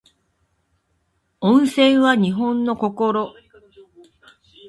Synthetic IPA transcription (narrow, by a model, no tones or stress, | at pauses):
õɰ̃sẽ̞ɰ̃βaɲ̟iɦõ̞nːo̞ko̞koɾo